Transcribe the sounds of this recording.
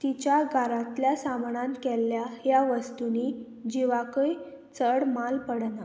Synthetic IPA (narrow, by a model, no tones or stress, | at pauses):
t̪it͡ɕjaɡʱaɾãt̪ljasamɳankɛlːjaɦjaʋəst̪uni | d͡ʑiʋakəj | t͡səɽmalpəɽna